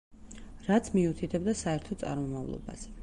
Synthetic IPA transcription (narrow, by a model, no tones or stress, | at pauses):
ɾat̪sʰmiut̪ʰit̪ʰɛbd̪asaɛɾt̪ʰɔt̪sʼa̰ɾmɔmavlˠɔ̰ba̰z̥ɛ